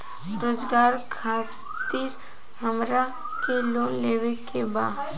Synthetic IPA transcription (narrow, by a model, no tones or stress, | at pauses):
ɾoːzɡaːɾkʰaː | t̪iɾ | ɦəmɾa | keloːnleːwekebaː